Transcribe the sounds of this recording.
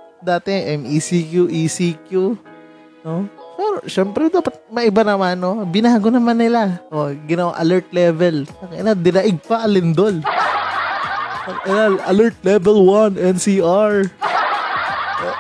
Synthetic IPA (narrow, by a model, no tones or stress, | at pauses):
d̪aːt̪ɛʔɛmʔisikjuʔisikju | nosɛɾoʃɛmpɾɛd̪aːpɐt̪̚mɐʔɪbanɐmanobɪnaːɡonɐmanːɪlaʔoɡɪnɐwaʔɐlɛɹt̪̚lɛvɛlpɐŋʔɪnad̪ɪnɐʔɪɡ̚paʔɐlɪnd̪ol | ɐʔɛlalʔɐlɛɹt̪̚lɛvɛlwanʔɛnsiʔaɹ | ʔo